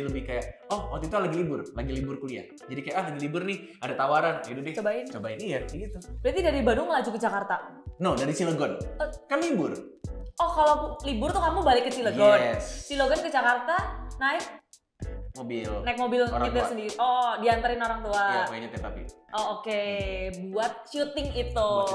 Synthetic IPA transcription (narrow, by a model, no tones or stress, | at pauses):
ləbɪhkajaʔɔhwat̪it̪ualaɡilibʊrlaɡilibʊrkulia̰h | d͡ʒadikajaʔalaɡilibʊrnɪh | adat̪awaɾanidudɪt͡ʃobaɪnt͡ʃobaɪnijaɡit̪ubɾiat̪idaɾibadʊŋməlad͡ʒukəd͡ʒakart̪anɔdaɾisiləɡɔnəkanlibʊrɔhkalolibʊrt̪ukamubalɪkːəsiləɡɔnɛsiloɡɔnkəd͡ʒakart̪anaɪk̚ | mobɪlnaɪk̚mobɪlɲɪt̪daɾsəndiɾiʔɔdiant̪aɾɪnoɾaŋt̪uaaaɲat̪at̪apḭʔɔokebuat̪̚ʃut̪ɪŋit̪u